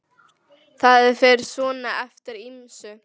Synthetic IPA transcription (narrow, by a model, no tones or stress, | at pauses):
θaðɪfɛɾsvɔːnaɛft̪ɪɾɪnsʏ